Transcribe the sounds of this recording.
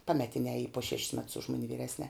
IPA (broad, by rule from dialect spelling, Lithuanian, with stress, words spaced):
ˈpɑːmʲɛtʲɪnʲɛː ˈiː poː ʃʲɛʃʲs mʲɛts ʊʃ ˈmʊnʲɪ ʋʲiːˈrʲæːsʲnʲɛː